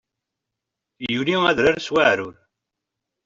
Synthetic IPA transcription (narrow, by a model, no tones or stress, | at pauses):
juliæðɾaɾswaʕɾuɾ